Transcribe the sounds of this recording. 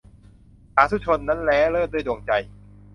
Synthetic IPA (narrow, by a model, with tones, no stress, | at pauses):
haː˩˦˥t̪ʰu˦˥˩t͡ɕʰo˧nːa˦˥nlɛː˦˥lɤː˥˩t̚du˥˩jdo˧ŋt͡ɕa˧j